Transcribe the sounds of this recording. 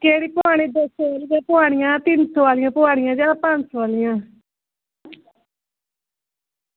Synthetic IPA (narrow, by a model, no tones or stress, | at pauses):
keːɽiːpʊaːɽ̃iːd̪əsaːlijãːpʊɦaːɽ̃ɪjãːt̪ɪntʰõːʋaːlɪjãːpʊaːɽ̃ɪjãːd͡ʒaːapãnt͡ʃʋaːlɪjãː